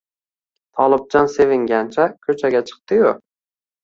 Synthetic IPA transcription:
t̪ʰɒlˠɪb̚d͡ʒɒnse̞vɪŋɡʲant͡ʃʰakʲʰɵt͡ʃʰaɡʲat͡ʃʰɨ̥q̚t̪ɪjʊ

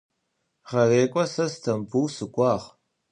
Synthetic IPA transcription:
ʁɐreːkʷʼɔsɐstʰɐmbuwsɨkʷʼɑːʁ

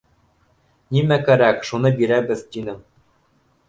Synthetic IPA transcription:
nʲimækæɾækʃunɤbiɾæbɘ̆ðt̪ʲinɘ̆

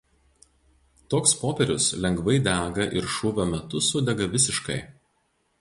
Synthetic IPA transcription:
t̪oːkspoːpʲɛɾʲʊslʲɛŋɡʋɐɪd̪ʲæːɡɐʔɪɾʃʊʋʲoːmʲɛt̪ʊsʊd̪ʲɛɡɐʋʲɪsʲɪʃkɐɪ

